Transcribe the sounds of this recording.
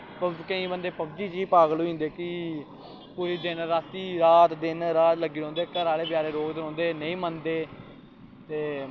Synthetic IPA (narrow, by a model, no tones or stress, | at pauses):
pəkə̃ĩːbənd̪eːpəbd͡ʒiːd͡ʒiːpaːɡloːĩnd̪eːkɪ | puɾiːd̪ɪnɾaːst̪iːɾaːt̪d̪ɪnɾaːt̪ləɡiːɾɔ̃ːnd̪eːkəɾaːleːbjaːɾeːɾoːɡd̪ɾɔ̃ːnd̪eːnəĩːmənd̪eː | t̪eː